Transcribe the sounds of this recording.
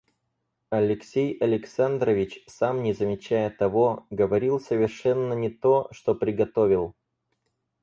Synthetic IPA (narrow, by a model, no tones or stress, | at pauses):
ɐlʲɪksʲejɐlʲɪksand̪ɾəvʲɪt͡ɕsamnʲɪzəmʲɪt͡ɕæjət̪ɐvoɡəvɐɾʲilˠsəvʲɪrʂɛnːənʲɪt̪o̞ʂt̪o̞pɾʲɪɡɐt̪o̞vʲɪlˠ